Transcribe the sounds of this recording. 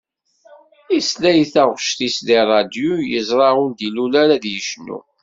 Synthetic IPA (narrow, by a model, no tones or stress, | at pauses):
islæjθæʁʃt̪isd̪irˤːɑd̪jujəzˤɾˤɑʊld̪ilulaɾaðjəʃnṵ